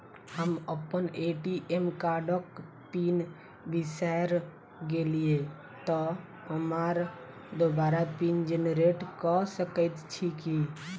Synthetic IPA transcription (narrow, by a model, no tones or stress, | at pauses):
həməpəneʈiʔemkaɖək | pin | bisaɾ | ɡelie | t̪ɔ | ɦəmaɾ | d̪obaɾapind͡ʒenɾeʈkɔsəkət̪t͡ʃʰiki